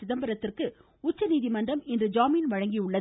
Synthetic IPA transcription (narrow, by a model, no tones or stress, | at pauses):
ɪðɐmbɐɾɐt̪ːɪrkɯ | ʊt͡ʃːɐniːðimɐndrɐmɪndrɯd͡ʒaːmiɪnʋɐɻɐŋɡijʊɭːɐ